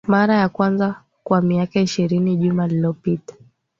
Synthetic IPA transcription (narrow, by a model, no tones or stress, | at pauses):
maɾajakwanza | kwamiakaiʃiɾiniʄumalilɔpitḁ